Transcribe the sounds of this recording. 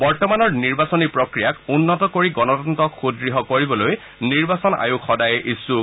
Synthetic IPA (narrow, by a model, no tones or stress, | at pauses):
bɔɹtɔmanɔɹniɹbasɔnipɹɔkɹijakunːɔtɔkoɹiɡɔnɔdɔntɔkxudɹiɦɔkoɹibɔloj | niɹbasɔna̰jukxɔdajɛʔisu